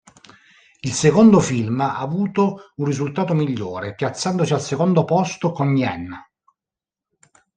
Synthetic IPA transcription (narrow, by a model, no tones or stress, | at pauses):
ilsekond̪ofilmaːvuːt̪ounrːizult̪aːt̪omiʎːoːɾepjat̪sːand̪osialsekond̪opɔst̪okonːjɛnː